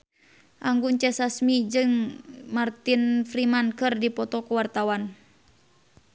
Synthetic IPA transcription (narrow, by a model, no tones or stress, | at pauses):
ʔaŋɡunt͡ʃɛsasmid͡ʒɨŋmart̪infɾimankɨrdipɔt̪ɔkuwart̪awan